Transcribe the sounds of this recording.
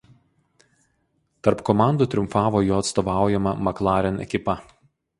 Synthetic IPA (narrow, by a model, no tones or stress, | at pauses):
t̪ɐɾpkɔmɑˑnd̪uːt̪ʲɾʲʊmfɑːʋoːjoːɐt̪st̪ɔːʋɑˑʊjɛmɐmɐklˠɑːɾʲɛnɛ̰kʲɪpɐ